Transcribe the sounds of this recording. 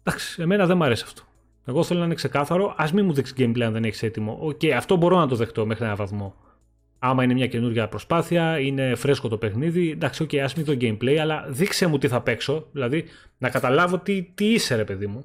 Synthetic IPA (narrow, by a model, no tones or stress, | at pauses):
nd̪ɐksi̥e̞me̞nɐðe̞mɐɾe̞si̥ɐ̥ft̪o̥ | e̞ɣo̞θe̞loɐinekse̞kɐθɐɾo̞ʔɐzmimuðiksi̥ɟejmplejɐnðe̞neçi̥se̞t̪imo̞̰ʔoce̞jɐft̪o̞bo̞ɾo̞nɐt̪o̞ðe̞xt̪o̞me̞xɾienɐvɐθmo̞ | ɐmɐine̞mɲɐce̞nuɾʝɐpɾo̞spɐθiɐine̞fɾe̞sko̞t̪ope̞xniðind̪ɐksio̞cejɐzmiðoɟejmple̞jɐlɐðikse̞mut̪iθɐpe̞kso̞ðilɐði | nɐkɐt̪ɐlɐvo̞t̪it̪iise̞ɾe̞pe̞ðimu